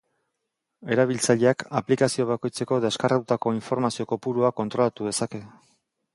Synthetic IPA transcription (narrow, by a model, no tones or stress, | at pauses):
e̞ɾaβ̞ilt͡saʎe̞akaplikasio̞β̞ako̞jt͡se̞ko̞ðe̞skarʔaut̪ako̞iɱfo̞ɾmasio̞ko̞puɾuako̞nt̪ɾo̞lat̪uð̞e̞sake̞